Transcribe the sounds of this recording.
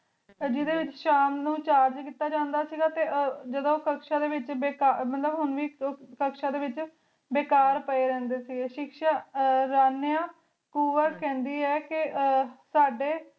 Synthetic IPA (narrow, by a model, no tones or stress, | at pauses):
d͡ʒɪd̪eːʋɪt͡ʃʃaːmnũːt͡ʃaːɾd͡ʒkiːt̪aːd͡ʒãːnd̪aːsiːɡaːt̪eːd͡ʒəd̪õːkəkʃãːd̪eːʋɪt͡ʃbeːkaːmət̪ləbɦʊnʋiːkəkʃãːd̪eːʋɪt͡ʃ | beːkaːɾpəeːɾɛ̃ːnd̪eːsiːɡeːʃɪkʃaːɾaːnjãː | kuːʋəɾkɛ̃ːnd̪iːɛːkɪsaːɖeː